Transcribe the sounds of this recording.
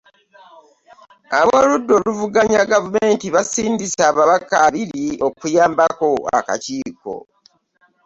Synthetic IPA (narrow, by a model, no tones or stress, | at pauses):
aβoːludːo̞luvuɡaɲaɡavumeːntiβasiːndisaːβaβakaβiɾio̞kujaːmbako̞a̰ka̰ciːko̞̰